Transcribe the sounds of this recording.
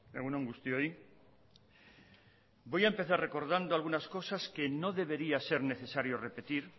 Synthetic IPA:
eɣunoŋɡust̪joi | bo̞jaempe̞θarre̞ko̞ɾðand̪oalɣunasko̞saske̞no̞ðe̞βe̞ɾiase̞ɾne̞θe̞saɾjo̞re̞pe̞t̪iɾ

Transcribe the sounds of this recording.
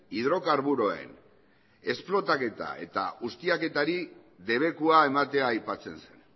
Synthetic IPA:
iðɾo̞kaɾβuɾo̞e̞̰n | e̞splo̞t̪ake̞t̪a̰e̞̰t̪a̰ɣust̪iake̞t̪aɾi | de̞β̞e̞kuae̞mat̪e̞aːjpat͡se̞nse̞n

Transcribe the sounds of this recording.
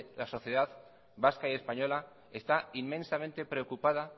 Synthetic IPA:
laso̞θjeð̞að | baskaie̞spaɲo̞la | e̞st̪aimːẽ̞nsamẽ̞nt̪e̞pɾe̞okupaða

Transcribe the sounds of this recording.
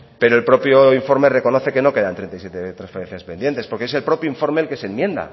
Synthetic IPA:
pe̞ɾoelpɾo̞pjoiɱfo̞ɾme̞re̞ko̞noθe̞keno̞ke̞ðant̪ɾent̪aijsjet̪et̪ɾãnsfeɾenθjaspe̞nd̪je̞nt̪e̞spoɾkeeselpɾo̞pjoiɱfo̞ɾme̞ːlke̞senmjẽ̞nd̪a̰

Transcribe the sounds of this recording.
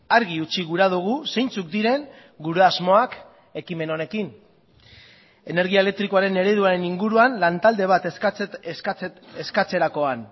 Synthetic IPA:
aɾɣiut͡ʃiɣuɾað̞uɣ̞use̞jnt͡suk̚d̪iɾe̞ŋ | ɡuɾeazmo̞ak | e̞kime̞no̞ne̞kin | e̞ne̞ɾɣiaele̞k̚t̪ɾikoaɾe̞ne̞ɾe̞ð̞uaɾe̞niŋɡuɾuanlant̪ald̪e̞β̞at̪seskat͡se̞ɾako̞an

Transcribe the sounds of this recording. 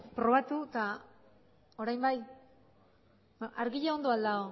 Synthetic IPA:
pɾo̞βat̪ut̪a | o̞ɾajmbaj | aɾɣiʎao̞nd̪oald̪ao

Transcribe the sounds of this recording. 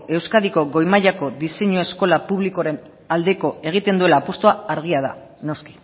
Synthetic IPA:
e̞wskaðiko̞ɣo̞jmaʎako̞d̪iseɲoe̞sko̞lapuβliko̞ɾe̞n | ald̪e̞ko̞e̞ɣ̞it̪e̞nd̪ue̞laːpost̪oaaɾɣ̞iaða̰ | no̞ski̥

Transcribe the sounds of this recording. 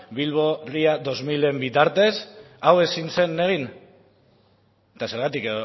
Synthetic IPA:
bilβo̞riaðo̞zmile̞mbit̪aɾt̪e̞s | awe̞sinse̞neɣ̞in | t̪ase̞ɾɣ̞at̪ikeo

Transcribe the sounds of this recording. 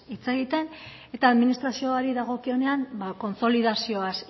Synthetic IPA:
it͡seɣit̪e̞n | e̞t̪aːðminist̪ɾasio̞aɾiðaɣo̞kio̞ne̞ambako̞nt͡so̞liðasio̞as

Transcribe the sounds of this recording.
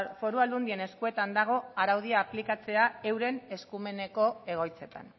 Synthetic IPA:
fo̞ɾuald̪und̪ie̞ne̞skue̞t̪and̪aɣ̞o̞aɾawð̞iaːplikat͡se̞ae̞wɾe̞ne̞skume̞ne̞ko̞e̞ɣ̞o̞jt͡se̞t̪a̰n

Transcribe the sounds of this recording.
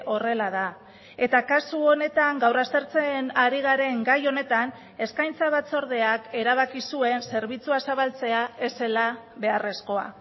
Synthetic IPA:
ʔo̞re̞laða | e̞t̪akasuo̞ne̞t̪aŋɡawrast̪e̞ɾt͡senaɾiɣ̞aɾe̞ŋɡajo̞ne̞t̪an | e̞skajnt͡saβ̞at͡so̞ɾðe̞ake̞ɾaβ̞akisue̞nse̞ɾβit͡suasaβalt͡se̞ae̞se̞la | βe̞are̞sko̞a̰

